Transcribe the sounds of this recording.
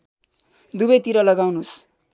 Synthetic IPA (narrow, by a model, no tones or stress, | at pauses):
d̪ubʌjt̪iɾʌlʌɡawnus